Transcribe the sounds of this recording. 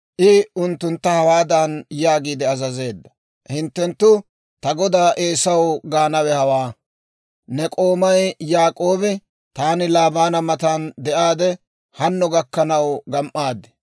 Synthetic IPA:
ʔɪʊnt̪ːʊnt̪ːɐhɐwaːd̪ɐnjaːɡiːd̪ɛɐzɐze̞ːd̪ːɐ̥ | hɪnt̪ːɛnt̪ːʊ | t̪ɐɡɔd̪aːʔeːsɐwɡaːnɐwɛhɐwaː | nɛkʼo̞ːmɐjjaːkʼo̞ːbɪ | t̪aːnɪlaːbaːnɐmɐt̪and̪ɛʔaːd̪ɛ | hɐnːɔɡɐkːɐnɐwɡɐmʔːaːd̪ɛ̥

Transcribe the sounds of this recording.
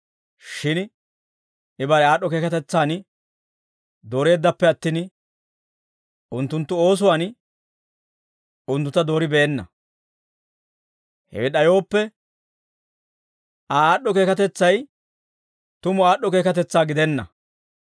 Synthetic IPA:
ʃɪn | ʔɪbɐɾɛaːɗːɔke̞ːkɐt̪ɛt͡sːaːn | d̪o̞ːɾe̞ːd̪ːɐpːɛɐt̪ːiːn | ʔʊnt̪ːʊnt̪ːʊo̞ːs̬ʊwaːn | ʔʊnt̪ːʊt̪ːɐd̪o̞ːɾɪbɛːnːɐ̰ | hɛ̰ɛɗɐjo̞ːpːɛ | ɐaaːɗːɔke̞ːkɐt̪ɛt͡sːɐj | t̪ʊmʊaːɗːɔke̞ːkɐt̪ɛt͡sːaːɡɪd̪ɛnːɐ̰

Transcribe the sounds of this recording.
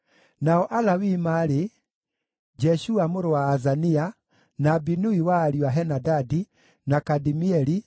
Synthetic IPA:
naɔʔalawimaɾe | d͡ʒɛʃuamoɾowaːzania | nabinuiwaːɾiwaɦɛnadadi | nakadimiɛɾi

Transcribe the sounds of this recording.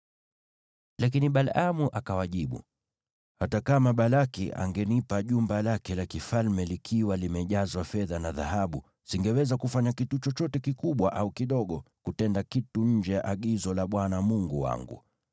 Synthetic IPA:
lak̬iniɓalamuʔakawaʄiɓṵ | hatakamaɓalakḭʔa̰ŋɡɛnipaʄumbalakɛlakifalmɛlikʰiwalimɛʄazwafɛðanaða̰haɓṵ | siŋɡɛwɛzakufaɲakitut͡ʃɔt͡ʃɔtɛkikuɓwaʔaukiɗɔɠɔkutɛndakituɲ̩d͡ʒɛjaʔaɠizɔlaɓwanamuŋɡuwa̰ŋɡṵ

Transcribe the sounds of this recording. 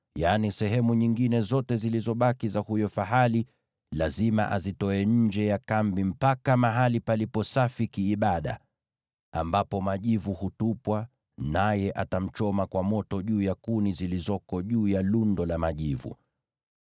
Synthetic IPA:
janisɛɦɛmuɲiŋɡinɛzɔtɛzilizɔɓakizahujɔfaɦali | lazima̰ʔazitɔɛɲ̩d͡ʒɛjakambim̩pakamaɦalipalipɔsafikiːɓaɗa̰ | a̰mbapɔmaʄivuhutupwa | najɛʔatam̩t͡ʃɔmakwamɔtɔʄuːjakunizilizɔkɔʄuːjalundɔlamaʄivṵ

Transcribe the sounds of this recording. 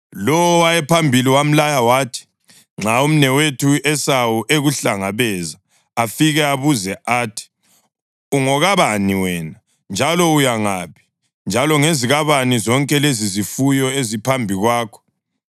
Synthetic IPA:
lɔwɔwajɛpʰambʱiliwam̩lajawaːtʰi̥ | ŋ͡ǁaum̩nɛwetʰuʔɛsawuʔeɣuɬaŋaβɛzaː | fiɣɛaβuzɛaːtʰi̥ | uŋɔɣaβaniwɛna | nd͡ʒʱalɔujaŋapʰi̥ | nd͡ʒʱalɔŋeziɣaβanizɔŋkʼɛlezizifujɔezipʰambʱiɣwaːkʰɔ̥

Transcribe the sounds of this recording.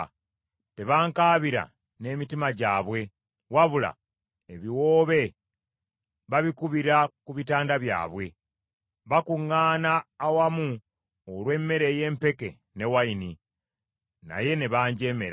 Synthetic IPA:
te̞βaːŋkaːβiɾa̰ | ne̞ːmitimaɟaːβwe̞ | waβula̰ | eβiwoːβe̞ | βaβikuβiɾakuβitaːndaβja̰ːβwe̞ | βakuŋːaːnaːwamu | olwe̞ːmːe̞ɾe̞je̞ːmpe̞ke̞̰ | ne̞waini | na̰je̞ne̞βaːɲɟe̞ːme̞ɾa

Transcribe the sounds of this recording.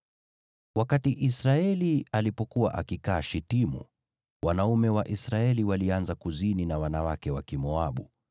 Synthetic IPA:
wakatiʔisɾaɛlialipɔkuwa̰ʔa̰kikaːʃitimṵ | wanaumɛwaʔisɾaɛliwalianzakuzininawanawakɛwakimɔaɓṵ

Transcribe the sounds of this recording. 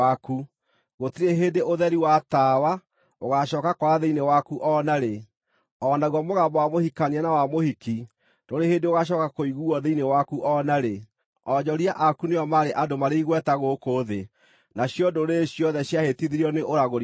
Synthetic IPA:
aku | ɣotiɾeɦedeʔoðɛɾiwataːwa | oɣaʃɔːkakwaðeinewakuʔɔnaɾe | ɔnaɣwɔmoɣambɔwamohikanianawamohiki | d̥oɾehendeoɣaɕ̬ɔkakoiɣuɔðeinewakuʔɔnaɾe | ɔd͡ʒɔɾiaʔakuneɔmaːɾeʔadomaɾeiɣwɛtaɣokoðe | naɕjɔdoɾeɕjɔðɛɕjahetiðiɾiɔneʔoɾaɣoɾ

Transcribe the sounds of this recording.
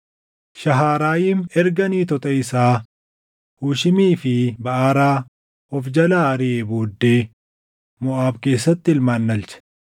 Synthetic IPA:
ʃɐɦaːɾaːjiːmɛɾɡɐniːt̪ɔt̪ʼɐɪsaː | huːʃɪmiːfɪbɐʔaːɾaː | ɔfd͡ʒɐlaːɐɾɪeboːd̪ːe̞ː | mʊʔaːbke̞ːsːɐt̪ːɪlmaːnːɐlt͡ʃɛ̥

